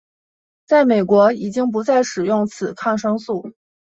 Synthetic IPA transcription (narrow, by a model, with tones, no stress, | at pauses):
t͡sa˥˩ɪme˨˩ɪkwɔ˧˥i˨˩t͡ɕi˥ŋp̬u˧˥t͡sa˥˩ɪʂɻ̩˨˩jʊ˥˩ŋt͡sʰɹ̩˨˩˦kʰɑ˥˩ŋʂɤ˥ŋsu˥˩